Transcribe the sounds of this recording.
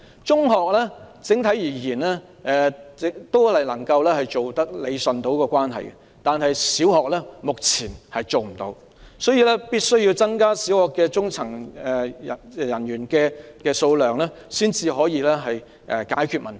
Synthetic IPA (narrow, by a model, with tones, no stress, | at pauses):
t͡sʊ˥ŋɦɔː˨k̚lɛː˥t͡sɪ˨˥ŋt̪ʰɐ˨˥jjiː˨˩jiː˨˩nɛː˥ | ɛ˨ɪ˨t̪o˥whɐ˨jlɐ˨˩ŋkɐ˧wlɛː˥hɐ˨jt͡so˨wt̪ɐ˥k̚le˨˧jsɵ˨nt̪o˨˥wkɔː˧kʷaː˥nɦɐ̰˨jkɛ̰˧ | t̪aː˨nɦɐ˨jsiː˨˥wɦɔː˨k̚lɛː˥mʊ˨k̚t͡sʰiː˨˩nhɐ˨jt͡so˨wm̩˨˩t̪o̰˨˥w | sɔː˨˥jiː˧lɛː˥piː˥t̚sɵ˥ɥji˧wt͡sɐ˥ŋkaː˥siː˨˥whɔː˨kːɛː˧t͡sʊ˥ŋt͡sʰɐ˨˩ŋɛ˨jɐ˨˩njyː˨˩nkɛː˧kɛː˧so˧wlœː˨ŋlɛː˥ | siː˥nt͡siː˧ɦɔː˨˥jiː˨˧lɛː˥ɦɐ˨j | ʔɛ˨˧kaː˨˥jkʰy˨˧t̚mɐ˨n